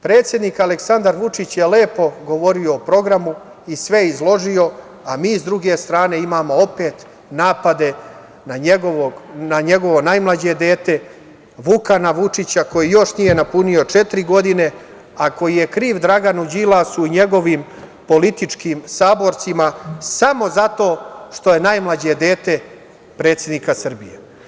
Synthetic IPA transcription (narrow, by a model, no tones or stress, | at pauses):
pɾet̪sje̞d̪niːkaleksand̪aɾʋut͡ʂit͡ɕjeleːpo̞ɡo̞ʋo̞ɾio̞ːpɾo̞ɡɾamu | isʋe̞izlˠo̞ʒio̞ | amiːzd̪ɾuɡe̞st̪ɾaːne̞imaːmo̞o̞pe̞ːt̪ | naːpad̪e̞ | naeɡoʋonaɲe̞ɡo̞ʋo̞najmlˠad͡ʑe̞d̪e̞ːt̪e̞ | ʋukanaʋut͡ʂit͡ɕako̞jijo̞ʂnije̞napunio̞t͡ʂe̞t̪ɾiɡo̞d̪ine̞ | ako̞jije̞kɾiːʋd̪ɾaɡanud͡ʑilˠasuiɲe̞ɡo̞ʋiːm | po̞lit̪it͡ʂkiːmsaːbo̞ɾt̪simasamo̞zat̪o̞ːʂt̪o̞je̞najmlˠad͡ʑed̪e̞ːt̪e̞ | pɾet̪sjed̪nikasr̩bḭjḛ